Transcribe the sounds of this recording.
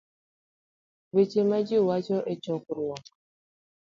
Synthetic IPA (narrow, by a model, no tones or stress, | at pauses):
wet͡ʃemad͡ʒiwat͡ʃɔʔet͡ʃɔkuɾwɔ